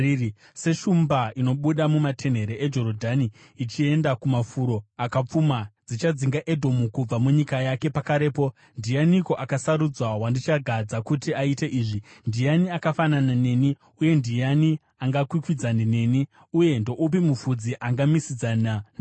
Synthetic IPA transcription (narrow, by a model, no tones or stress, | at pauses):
se̞ʃumbaino̞ɓuɗamumatʰe̞n̤e̞ɾeʔed͡ʒo̞ɾodʱani | it͡ʃie̞ndakumafuɾo̞akap͡fumad͡zit͡ʃad͡ziŋɡaʔe̞dʱo̞mukub͡vamuɲikajake̞pakaɾe̞ːpo̞ | ndijaniko̞ʔakasaɾud͡zwaɦwandit͡ʃaɡʱad͡zakutiaite̞ʔiːʐindijaniakafananane̞ni | uje̞ndijani | aŋɡakwikwid͡zanine̞ni | uje̞ndo̞ʔup̬imufud͡ziʔaŋɡamisid͡zanan